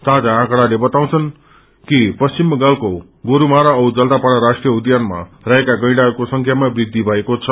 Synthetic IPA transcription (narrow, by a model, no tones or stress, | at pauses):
sad͡zaãkɽalebʌt̪aw̃t͡sʰʌn | kipʌst͡ɕimɡalko | ɡoɾumaɾaʌwd͡zʌld̪apaɽaɾasʈrijʌud̪janma̰raekaɡʌj̃ɽakosʌŋkʰjamabrid̪ʱːibʱʌekot͡sʰʌ